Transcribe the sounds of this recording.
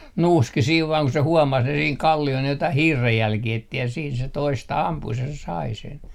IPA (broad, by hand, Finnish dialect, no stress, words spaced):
nuːski siːʋ ʋɑːŋ ku se huomɑs ne siːŋ kɑlːiol ne jotɑih hiːrːejːælkiː etːi jɑ siːn se toistɑ ɑmpus jɑ se sɑi sen